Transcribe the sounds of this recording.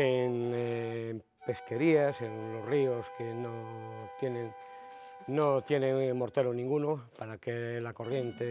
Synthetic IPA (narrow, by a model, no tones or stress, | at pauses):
eŋ | m | pe̞ske̞ɾiaseŋlosrioskenot̪jenẽŋ | not̪jenẽŋmoɾt̪eɾonĩŋɡunopaɾakelako̞rje̞nt̪e